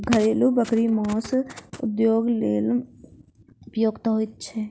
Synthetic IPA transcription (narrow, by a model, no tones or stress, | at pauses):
ɡʱəɾeːlubəkɾimɔ̃ːsʊ̰d̪joːɡleːl | ʊpjoːɡt̪aɦoit̪̚t͡ʃʰɛ